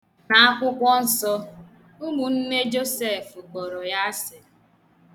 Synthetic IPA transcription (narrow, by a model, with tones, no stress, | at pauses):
na˨a˦kʷʊ˦kʷɔ˦n̩˨sɔ˦ | ʊ˦mu˨n̩˦ne˦d͡ʒo˦se˦˨fu˨ko˨ɾo˨ja˦sɪ˨